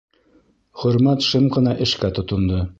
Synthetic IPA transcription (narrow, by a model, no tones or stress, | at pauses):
χɵ̆ɾmæt̪ʃɤmqɤ̆nɑʔɘ̆ʃkæt̪ŏt̪ŏnd̪ɤ